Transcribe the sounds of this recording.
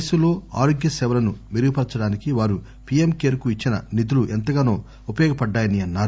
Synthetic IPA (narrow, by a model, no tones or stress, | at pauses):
sulo̞ːa̰ːɾoɡjɐsɛʋɐlɐnumiɾɡipɐɾɐt͡ʃɐɽaːnikiʋaːɾu | pijemkeːɾkuit͡ʃːinɐ̰nid̪uluʔɛnt̪ɐɡaːnoː | upɐjɔːɡɐpɐɖːaːjɐniɐnːaːɾu